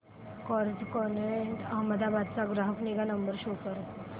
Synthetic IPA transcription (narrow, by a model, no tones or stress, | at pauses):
kɔɾd͡ʑkɔneɳʈəɦməd̪abad̪̚t͡saɡɾaɦəkniɡanəmbəɾɕokəɾ